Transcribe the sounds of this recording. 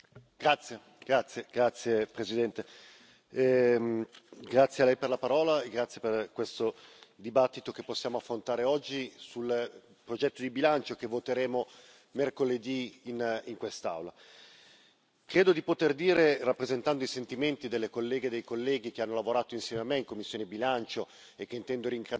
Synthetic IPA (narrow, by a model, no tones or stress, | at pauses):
ɡ̥ɾat̪sːje | ɡ̥ɾat̪sːjeɡ̥ɾat̪sːjepɾesid̪ɛnt̪e | ɡɾat̪sːjealɛjperlapaɾɔːlaeɡɾat̪sjeperkwest̪od̪ibat̪ːit̪okepːosːjaːmoafːɾont̪aːɾeɔd͡ʒːisul | pɾod͡ʒɛt̪ːod̪ibilant͡ʃok̟evːot̪eɾeːmo | merkoled̪iːniŋkwest̪a̰wla | kɾeːd̪od̪ipot̪erd̪iːɾerapːɾezent̪and̪oisent̪iment̪id̪elːekolːɛːɡed̪ejkolːɛːɡik̟eanːolavoɾaːt̪oinsjɛːmeamːeiŋkomːisːjoːnebilant͡ʃo | ekːeint̪ɛnd̪oɾiŋk